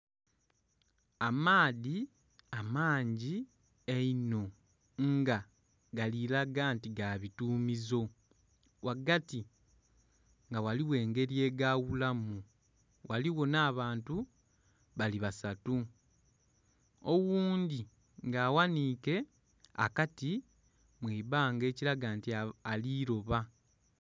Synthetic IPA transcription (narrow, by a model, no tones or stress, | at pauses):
amaːði | amaːɲɟi | eino̞ | ŋɡa | ɡalilaɡaːntiɡaːβituːmizo̞ | wʔaɡati | ŋɡawaliwe̞ːŋɡe̞ɾie̞ːɡaβulamu | wʔaliwo̞naːβaːntu | βaliβasatu | owuːndi | ŋɡaːwaniːke̞ | a̰kati | mwiːβaːŋɡe̞ːciɾaɡaːntialiːɾo̞βa